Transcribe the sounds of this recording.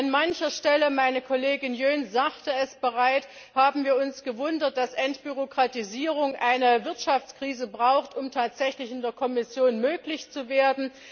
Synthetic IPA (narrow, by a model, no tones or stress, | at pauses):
ʔanmançɐʃtɛləmaɪnəkʰɔleːɡɪnjøːnzaːχtəɛsb̥əʁaɪt | haːbm̩viːɐʊnsɡ̥əvʊndɐt̚d̥asʔɛntb̥yʁokʁ̥atiziːʁ̞ʊŋʔaɪnəvɪɐtʃaft͡skʁ̥iːzəbʁaʊxtʊmtʰaːtz̥ɛçlɪçɪndeːɐkʰɔmɪsjoːnmøːklɪçt͡suveːɐdn̩